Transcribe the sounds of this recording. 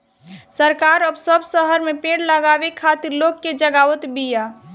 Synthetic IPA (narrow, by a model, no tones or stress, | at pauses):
səɾkaːɾəbsəbsəɦəɾmẽpẽːɽləɡaːwekʰaːt̪iɾloːɡkːed͡ʒəɡaːʋət̪bijaː